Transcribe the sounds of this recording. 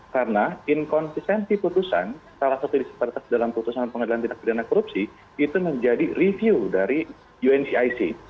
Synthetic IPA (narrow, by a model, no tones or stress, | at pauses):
karnainkɔnsist̪ɛnsiput̪usa̰nsalahsat̪udisə̥paɾat̪asdalamput̪usanpəŋadilant̪indak̚pidanakoɾup̚si | it̪uməɲd͡ʒadirivjiudaɾi | juɛnsiajsḭ